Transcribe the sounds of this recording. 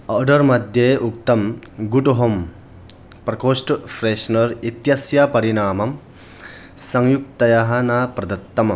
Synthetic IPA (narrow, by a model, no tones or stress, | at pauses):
ɐɾɖɐɾmɐd̪jeuk̚t̪ɐmɡuʈɔɦɔm | pɾɐkʰosʈpʰɾesnɐɾit̪jasjapɐɾinaːmɐm | sɐŋjuk̚t̪ɐjaɦɐnɐpɾɐd̪ɐt̪ːɐmɐ